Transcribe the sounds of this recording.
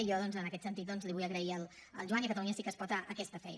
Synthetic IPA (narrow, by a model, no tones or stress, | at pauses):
jɔðɔnzənəkɛt̪sənt̪it̪̚d̪ɔnzliβujəɣɾəiəlˠəlˠʒuanikət̪əluɲəsikəspɔt̪aʔəkɛst̪əfɛ̰j